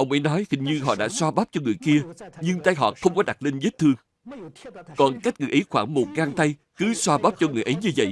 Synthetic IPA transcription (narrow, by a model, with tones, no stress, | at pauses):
ʔə˧wŋ͡mʔə˨˦jnɔ˨˦jhi˨˩ŋ̟ɲɨ˧ɦɔ̰˧˨ɗa̰ː˧˥swaː˧ɓaː˦˥p̚t͡ɕɔ˧ŋɨ˨˩əjki˧əɲɨ˧ŋt̪aː˧jɦɔ̰˧˨˩xə˧wŋ͡mkɔ˨˦ɗa˨˩t̚le˧nze˦˥t̚t̪ʰɨ˧əŋ | kɔ˨˩nka˦˥jk̚ŋɨ˨əjʔə˨˦jxwaː˧˩ŋmo˨˩t̚kaː˧ŋt̪a˧j | kɨ˨˦swaː˧ɓaː˦˥p̚t͡ɕɔ˧ŋɨ˨˩əjʔə˨˦jɲɨ˧və̰˧˨j